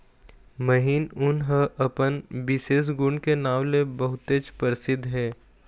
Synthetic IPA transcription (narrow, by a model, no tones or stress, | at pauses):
məɦiːnʊnɦəʔɐpənbɪseːs̬ɡʊ̃ɳɖkenaːʋlebəɦʊt̪eːt͡ʃpəɾɪsɪd̪ʱɦɛː